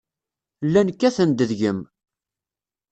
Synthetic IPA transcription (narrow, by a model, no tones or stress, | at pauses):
lːænkːæθənd̪əðʝəm